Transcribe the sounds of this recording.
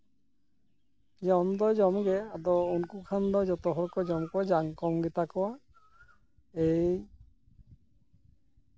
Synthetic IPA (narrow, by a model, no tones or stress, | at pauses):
d͡ʒɔnd̪ɔjd͡ʒɔmɡɛad̪ɔunkukʰand̪ɔjd͡ʒɔt̪ɔɦɔɾkɔd͡ʒɔmkɔwad͡ʒaŋkɔmɡɛt̪akɔwa | ej